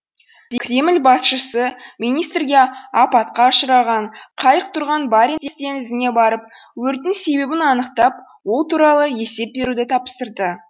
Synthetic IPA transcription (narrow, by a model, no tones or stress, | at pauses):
ɾkrʲe̞mɪlbɑsʃəsəmijnijst̪rɡʲe̞ɑpɑt̪qɑʃəɾɑʁɑɴqʰɑjəq̚t̪ʰʊɾʁɑnbɑɾet̪est̪e̞nɪzɪne̞bɑɾəp̚ | wɵɾt̪ɪŋse̞be̞bɪnɑnəqt̪ɑp̚ | wo̞lˠt̪ʰuɾɑlˠəje̞se̞p̚be̞ɾud̪ɪt̪ʰɑpst̪əɾd̪ə